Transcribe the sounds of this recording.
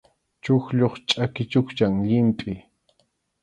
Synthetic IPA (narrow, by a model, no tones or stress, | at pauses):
t͡ʃʊxʎoχt͡ʃʼakɪt͡ʃʊkt͡ʃaŋʎɪmpʼɪ